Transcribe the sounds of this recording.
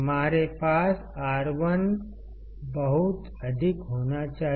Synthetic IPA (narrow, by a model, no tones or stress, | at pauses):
əmaːɾepaːs | aːɾʋən | bəɦut̪ | ɐd̪ʱikɦoːnat͡ʃaːɦ